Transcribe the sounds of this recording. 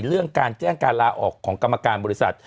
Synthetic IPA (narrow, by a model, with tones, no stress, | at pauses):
ɾɯ˥˩əŋkaː˧nt͡ɕɛː˥˩ŋkaː˧nlaː˧ʔɔ̰ː˨˩kʰːɔː˩˦ŋka˧mːa˧kaː˧nbɔː˧ɾi˦˥sa˨˩t̪̚